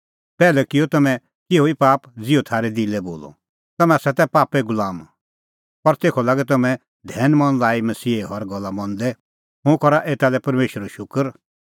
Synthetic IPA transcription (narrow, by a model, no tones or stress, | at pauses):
pɛːlɛkɪjɔt̪ɐmɛ̃ | kɪɦoipaːpd͡zɪot̪ʰaːɾɛd̪ilɛbo̰ːlɔ̰ | t̪ɐmɛ̃sɛt̪ɛpaːpɛɡʊlaːm | pɐɾt̪eːkʰɔlaːɡɛt̪̬ɐmɛ̃ | d̪ʱɛːnmɐ̃nlaːimɐsiːeɦɔɾɡɔlːamɔ̃nd̪ɛ | ɦũkɔɾaʔeːt̪alɛpɐɾmeːʃəɾɔʃʊkəɾ